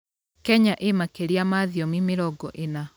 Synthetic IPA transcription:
kɛɲaʔemakeɾiamaðiɔmimeɾɔɡɔʔena

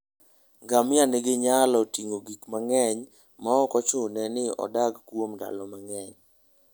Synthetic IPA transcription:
ɡamɪanɪɡɪɲalɔtiŋoɡikmaŋɛɲ | maɔkɔt͡ʃʊnɛnɪɔ̰daɡkwomda̰lɔmaŋɛɲ

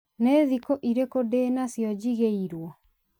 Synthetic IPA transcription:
neːðikoʔiɾekodeːnasjɔd͡ʑiɣeiɾwɔ

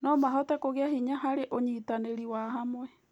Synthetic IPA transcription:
nɔmaɦɔtɛkoɣeahiɲaɦaɾeʔoɲitaneɾiwaɦamwɛ

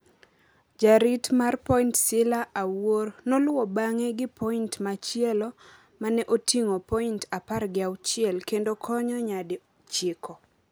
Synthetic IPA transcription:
d͡ʒaɾitmarpɔintsɪlaʔawornolwɔbaŋɛɡɪpʰɔintmat͡ʃɪɛlɔ | manɛʔotiŋopɔintaparɡɪawt͡ʃɪɛlkendokʰɔɲɔɲadɪ | t͡ʃɪkʰɔ

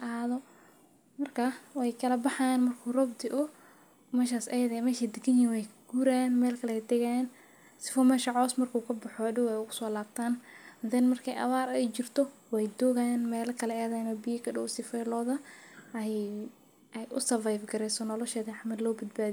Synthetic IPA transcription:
ʔɐːðɔ | mɐrkʰɐwɛjkʰɐlɐbɑħajaːnmɐrkʰuːrɔbt̪ʰɪʔʊ | mɛːʃ̬aːsɛjðɛmɛːʃid̪ɪɡɐnjɪnwɛjʰɡ̥uːɾaanmɛːlkʰɐlɛd̪ɛɣajan | sɪ̥fɔmɛːʃɐʕɔːsmɐrkʰuːkʰɐbɐħɔɖɪwɛjʊɣʊsɔːlaːb̚t̪ʰaːnhɐðɛnmɐrkʰɛjʔɐ̰βaːɾɛjt͡ʃɪrt̪ʰɔwɛjd̪ɔɣajanmɛːlɐkʰɐlɛɛːðɛnɔbɪjɐkʰɐɖɔwsɪfɛjlɔːðɐɛj | ʔɛjʊ̰sɐvajfɡɐɾɛjsɔnɔlɔʃɛːðiɑħmɐd̪lɔːbɐd̪baːðij

